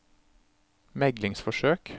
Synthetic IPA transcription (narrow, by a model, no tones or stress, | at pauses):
mɛɡlɪŋsfɔʃøːk